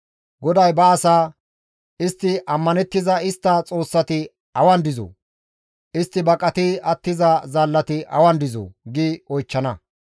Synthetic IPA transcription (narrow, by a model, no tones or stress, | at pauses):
ɡɔd̪ɐjbɐːsaː | ɪst̪ːɪʔɐmːɐnɛt̪ːɪzɐɪst̪ːɐt͡sʼo̞ːsːɐt̪ɪ | ɐwɐnd̪ɪzo̰ː | ɪst̪ːɪbɐkʼɐt̪ɪɐt̪ːɪzɐzɐlːɐt̪ɪʔɐ̰wɐnd̪ɪzo̰ːɡɪɔjt͡ʃːɐnɐ